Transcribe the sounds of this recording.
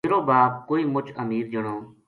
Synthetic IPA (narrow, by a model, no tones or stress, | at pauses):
ɾoːbaːp̚koːiːmʊt͡ʃʰəmiːɾd͡ʒəɳoː